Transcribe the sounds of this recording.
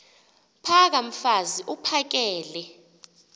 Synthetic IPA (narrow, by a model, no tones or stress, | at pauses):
pʰak̬am̩faziʔupʰak̬ɛːlɛ